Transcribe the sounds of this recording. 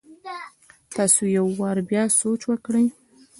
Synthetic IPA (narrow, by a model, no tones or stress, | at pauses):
t̪ɑsojawːɑɾbjɑsot͡ʃwəkɽəj